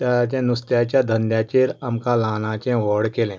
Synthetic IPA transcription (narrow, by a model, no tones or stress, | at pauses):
t̪at͡ɕẽnust̪jat͡ɕjad̪ʱənd̪jat͡ɕeɾamkalaːnãt͡ɕẽʋɔɽkelɛ̃